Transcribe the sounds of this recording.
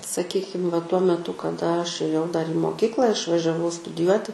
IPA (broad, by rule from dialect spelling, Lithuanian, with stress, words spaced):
sɐˈkʲiːkʲɪm ʋɐ tuɔ mʲɛˈtʊ kɐˈdɐ ɐʃ eːˈjɛʊ dɐr iː moːˈkʲiːklˠɐ ɪʃʋɐʒʲɛˈʋɐʊ stʊdʲɪˈjuɔtʲɪ